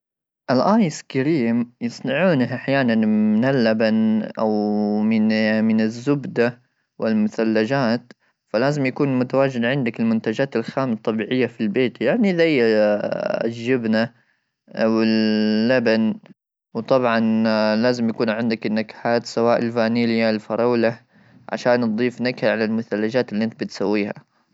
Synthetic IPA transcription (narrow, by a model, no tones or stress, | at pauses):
ʔalʔaːjskaɾiːmjɨsˤnɑʕuːnaʔaħjaːnanmɪnɪlːabanʔawmɪmɪnɪzːʊbd̪a | wɪlmʊθalːad͡ʒaːt̪ | falaːzɪmjakuːnmʊt̪awaːd͡ʒɪd̪ʕɪnd̪akɪlmʊnt̪ad͡ʒaːt̪ɪlxaːmt̪ˤːɑbiːʕɪjːafilbeːt̪jaʕniʔɪðaja | ʒːɪbna | wɪlːaban | wt̪ˤɑbʕɑnlaːzɪmjakuːnʕɪnd̪akɪnːakḁħaːt̪sawaːʔɪlfaːniːljalfɑɾˤɑːla | ʕa̰ʃaːnːd̪ˤiːfnakhaʕalalmʊθalːad͡ʒaːt̪ɪlːiʔɪnt̪bɪt̪sawːiːha̰